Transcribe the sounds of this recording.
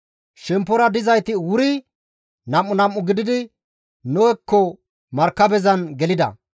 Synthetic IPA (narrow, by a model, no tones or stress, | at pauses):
ʃɛmpːɔɾɐd̪ɪzɐjt̪ɪwʊɾɪ | nɐmːʊnɐmːʊɡɪd̪ɪd̪ɪ | nɔwɛkːɔ | mɐɾkːɐbɛzɐnɡɛlɪd̪ɐ̰